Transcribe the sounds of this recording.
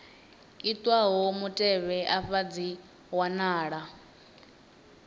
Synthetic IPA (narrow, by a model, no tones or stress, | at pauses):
it̪ʼwaɦomutʼɛβɛʔaɸad͡zi | wanaːɺa